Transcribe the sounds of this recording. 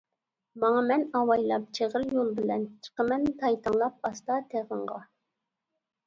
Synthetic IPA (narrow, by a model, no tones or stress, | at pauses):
mɑŋɑmɛnɑwɑjlˠɑp̚t͡ʃʰeʁəɾjolˠbɪlɛnt͡ʃʰə̥qəmɛnt̪ʰɑjt̪ʰɨŋlˠɑp̚ɑst̪ɑt̪ʰeʁəɴʁɑ